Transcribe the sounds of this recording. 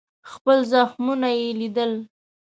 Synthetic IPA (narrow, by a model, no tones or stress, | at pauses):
xpəlzaxmunajelid̪əl